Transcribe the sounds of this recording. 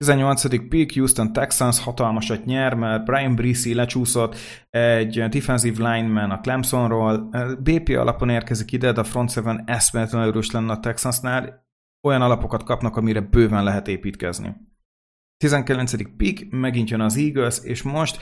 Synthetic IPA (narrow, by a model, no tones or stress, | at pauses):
t̪izɛɲːo̞lt̪sɒd̪ik̚pikjuːst̪o̞nt̪ɛksɒnshɒt̪ɒlmɒʃɒtɲɛrmɛlbrajimbrisilɛt͡ʃuːso̞t̪ː | ɛɟd̪ifɛnziːvlajnmɛnɒklɛmpso̞nroːlbeːpeːɒ̰lʔɒ̰po̞neːrkɛzikid̪ɛd̪ɛɒfro̞nt̪sɛvɛnɛst̪mɛɛt̪lɛnøɾøːʃlɛnːɛɒt̪ɛksɒsnaːl | o̞jɒnɒlɒpo̞kɒt̪̚kɒpnɒkɒmiɾɛbøːvɛnlɛɦɛt̪eːpiːt̪kɛ̰znḭ | t̪izɛŋkɛlɛnt̪sɛd̪ik̚pikmɛɡint̪jønɒziːɡølseːʃmo̞ʃt̪